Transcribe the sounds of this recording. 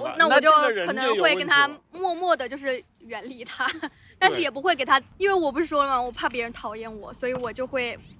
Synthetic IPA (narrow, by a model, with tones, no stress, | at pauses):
na˥˩wɔ˨˧˩t͡ɕjo˥˧ʊ˧ɤ˨˩nɤ˧˥ŋxwe˥˩ɪkə˥nt̪ʰa˥mwɔ˥˧mwɔ˥˩d̪ə˩t͡ɕjo˥˧ʊʂ̬ɻ̩˥˩ | ɥɛ˧˥nli˧˥t̪ʰa˥ | t̪a˥˧nʂɻ̩˥˩jɛ˨˩p̬u˧˥xwe˩ɪke˨˩ɪt̪ʰa˥i˥nwe˥˩ɪwɔ˨˩p̬u˧˥ʂɻ̩˥˩ʂwɔ˥lma˨˩wɔ˨˩pʰa˥˩p̬jɛ˧˥ɻə˧˥nt̪ʰɑ˨˩˦ʊjɛ˥˩nwɔ˨˩˦swɔ˧˥i˧˥wɔ˨˩t͡ɕjo˥˧ʊxwe˥˩ɪ